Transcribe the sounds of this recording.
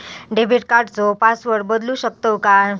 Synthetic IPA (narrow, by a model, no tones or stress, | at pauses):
ɖebiʈ̚kaɾʈd͡zopasʋəɽbəd̪lũɕək̚t̪oka